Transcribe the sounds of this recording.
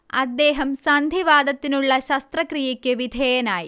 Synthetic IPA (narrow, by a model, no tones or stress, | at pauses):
ɐd̪ːɛːɦɐmsaːnd̪ʱiʋaːd̪ɐt̪ːinuɭːɐʃɐst̪ɾɐkɾijɐkːeʋid̪ʱɛːjɐnaːji